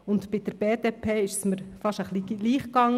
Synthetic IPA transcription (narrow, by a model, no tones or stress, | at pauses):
ʊnt̪pɪd̥̪əɾb̥eːd̪eːpʰeːɪʃsməɾfɑʃəχliliːχkɑŋ